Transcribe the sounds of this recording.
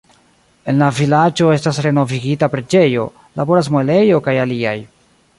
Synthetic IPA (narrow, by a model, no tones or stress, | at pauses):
e̞nlavilad͡ʒo̞e̞stasɾe̞no̞viɡitapɾe̞d͡ʒe̞jo̞ | labo̞ɾas̬mole̞jo̞kajalia̰j